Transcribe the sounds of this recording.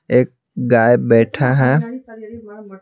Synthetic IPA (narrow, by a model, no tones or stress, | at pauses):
eːk̚ | ɡaːjbɛːʈʰaɦɛ̃ː